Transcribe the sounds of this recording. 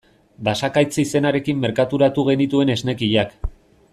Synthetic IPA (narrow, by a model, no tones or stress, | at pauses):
basakajt͡sise̞naɾe̞kimːe̞ɾkat̪uɾat̪uɣ̞e̞nit̪ue̞ne̞zne̞kiʎak